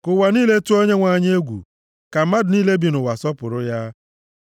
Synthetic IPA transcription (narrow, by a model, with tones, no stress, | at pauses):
kʊ˨wa˨niː˦le˦tu˦o˦ɲe˦ŋʷa˦˨ɲ˦e˦ɡʷṵ˨ | ka˨m̩˦ma˦dʊ˨niː˦le˦bi˨nʊ˨wa˨sɔ˦pʊ˨ɾʊ˦ja˦